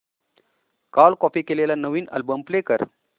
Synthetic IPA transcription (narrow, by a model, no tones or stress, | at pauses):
kalkɔpiːkelelanəʋiːnə̰lbəmplekəɾ